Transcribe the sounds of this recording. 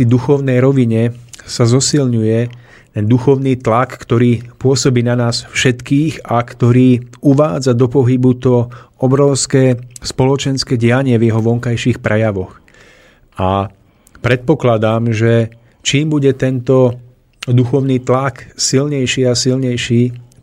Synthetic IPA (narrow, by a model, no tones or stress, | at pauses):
id̪uxɔʊnɛjɾɔʋiɲɛsazɔsilɲujɛ | t̪ɛnd̪uxɔʊniːt̪lakːt̪ɔɾiːpʊɔsɔbiːnanaːsfʃɛt̪kiːɣakt̪ɔɾiːuʋaːd͡zad̪ɔpɔɦibut̪ɔɔbɾɔʊskɛːspɔlɔt͡ʃɛnskɛːɟɪaɲɪɛvjɛɦɔʋɔŋkajʃiːxpɾɛjaʋɔx | a | pɾɛt̪̚pɔklad̪aːmʒɛ | t͡ʃiːmbuɟɛt̪ɛnt̪ɔ | d̪uxɔʊniːt̪laksilɲɛjʃiːasilɲɛjʃiː